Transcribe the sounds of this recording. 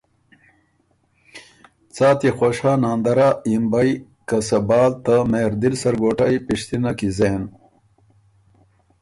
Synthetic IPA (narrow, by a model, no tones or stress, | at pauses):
t͡saːt̪ixoɕanaːnd̪ɐɾaimbaj | kɐsɐbɑːlt̪ameːɾd̪ilsɐɾɡoːʈajpiʂt̪inakizeːn